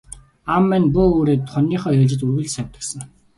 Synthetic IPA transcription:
amːænpuoːɾeːt̪χʊniːχœːjʊɮt͡ɕɪ̆t͡ɕurɣɘ̆ɮsæmʲt̪ə̥̆ksə̆ŋ

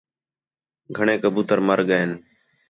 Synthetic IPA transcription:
ɡʱəɳeːkəbuːt̪əɾməɾɠəeːn

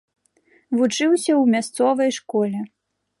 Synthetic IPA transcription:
vut͡ʂɨwsʲɐwmʲast̪sɔvɐjʂkɔlʲɛ

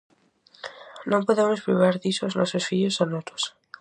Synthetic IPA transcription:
nompoðemospɾiβ̞aɾðisoznosesfiʎosanot̪os

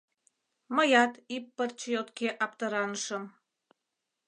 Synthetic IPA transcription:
mə̆jɑt̪ipːərt͡ɕəjot̪keʔɑp̚t̪əɾɑnəʃə̆m

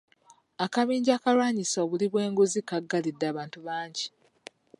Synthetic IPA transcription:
akaβiːɲɟaːkalwaːɲisaoβuliβwe̞ːŋɡuzikaɡːalidːaːβaːntuβaːɲɟi

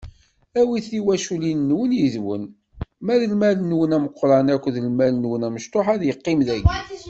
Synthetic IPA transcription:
æwiθiwæʃulinːwənjəðwə̰n | mæðəlmælənːwənæməqʷːɾˤɑnækʷːðəlmælənwənæməʃt̪ˤoħæðjəqːɪmðæɡi

